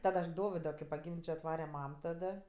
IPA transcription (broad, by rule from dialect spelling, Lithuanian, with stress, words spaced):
ˈtɐt ɐʃ ˈdoːʋʲɪdoː kɐɪ pɐˈɡʲɪmʲd͡ʒʲoː ɐtˈʋɑːrʲɛ ˈmɐm tɐˈdɐ